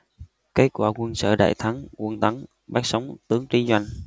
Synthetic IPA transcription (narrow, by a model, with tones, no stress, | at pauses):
ke˨˦˥t̚kwa̰ː˧˩kwə˧nsə̰ː˧˨ɗa̰ː˧˨jt̪ʰa˨˦ŋkwə˧nt̪a˨˦ŋ | ɓaː˦˥k̚sa˨˦wŋ͡mt̪ɨ˨˦əŋki˨˦zwa˧jŋ̟